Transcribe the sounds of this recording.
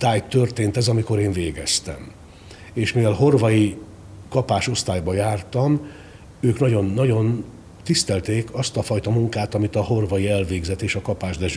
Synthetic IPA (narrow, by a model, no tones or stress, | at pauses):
t̪aːjt̪ːørt̪eːnt̪ɛzɒmiko̞ɾeːɱveːɡɛst̪ɛ̰m | eːʃmivɛlɦo̞rvɒji | kɒpaːʃo̞st̪aːjbɒjaːrt̪ɒm | øːknɒɟo̞nːɒɟo̞n | t̪ist̪ɛlt̪eːkɒst̪ɒfɒjt̪ɒmuŋkaːt̪ɒmit̪ɒɦo̞rvɒjiɛlveːɡzɛt̪ːeːʃɒkɒpaːʒd̪ɛʒ